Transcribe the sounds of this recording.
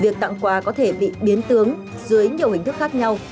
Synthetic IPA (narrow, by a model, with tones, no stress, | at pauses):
vi˨˩ək̚t̪a̰˧˨ŋkwaː˨˩kɔ˨˦t̪ʰe˧˩ɓḭ˧˨ɓi˨˦ənt̪ɨ˨˦əŋ | zɨ˨˦əjɲi˨˩əwhï˨˩ŋ̟t̪ɨ˦˥k̚xaː˦˥k̚ɲa˧w